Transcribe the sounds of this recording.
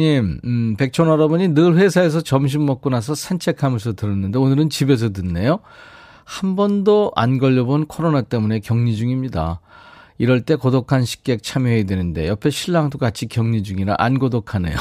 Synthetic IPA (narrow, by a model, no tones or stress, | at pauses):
ɲimpe̞k̚t͡ɕʰonʌɾʌboɲinɯɭɸwe̞sʰaes̬ʰʌt͡ɕʌmɕ̬ʰimːʌk̚k͈unasʰʌsʰant͡ɕʰe̞kʰamjʌsʰʌtɯɾɯnːɯnde̞onɯɾɯnt͡ɕibe̞s̬ʰʌtɯnːe̞jo | hambʌndoa̰nɡʌʎːʌbonkʰoɾonat͈e̞mune̞kjʌŋɲid͡ʑuŋimɲida̰ | iɾʌɭt͈e̞kodokʰanɕʰi̥k͈e̞k̚t͡ɕʰamjʌɦedwe̞nɯnde̞̰jʌpʰeɕʰiɭːaŋtokat͡ɕʰikjʌŋɲid͡ʑuŋiɾa̰ʔanɡodokʰanḛjo̰